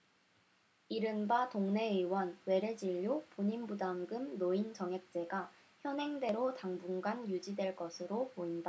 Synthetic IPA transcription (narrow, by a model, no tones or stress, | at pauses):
iɾɯnbatoŋne̞ɯwʌnwe̞ɾe̞d͡ʑiʎːupoɲinbudaŋɡɯmnoint͡ɕʌŋɦek̚t͡ɕ͈e̞ɡa | çjʌnɦe̞ŋde̞ɾotaŋbuŋɡanjud͡ʑidwe̞ɭk͈ʌsʰɯɾopoinda